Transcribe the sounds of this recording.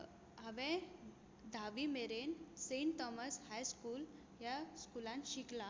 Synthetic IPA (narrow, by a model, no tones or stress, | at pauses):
ɦəʋɛ̃ | d̪ʱaʋimeɾenseɳt̪ɔməshajskuːl | ɦjaskulãnɕikla